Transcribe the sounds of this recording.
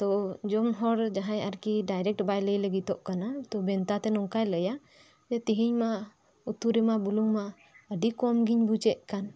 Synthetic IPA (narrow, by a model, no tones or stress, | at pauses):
t̪ɔd͡ʒɔmɦɔɽd͡ʒaɦãɲaɾkiɖajɾɛk̚ʈbajləjləɡit̪ɔʔkanat̪ɔbɛnt̪at̪ɛnɔŋkajləja | d͡ʒɛt̪iɦiɲma | ut̪uɾɛmabuluŋma | əɖikɔmɡiɲbut͡ʃɛʔ̚kan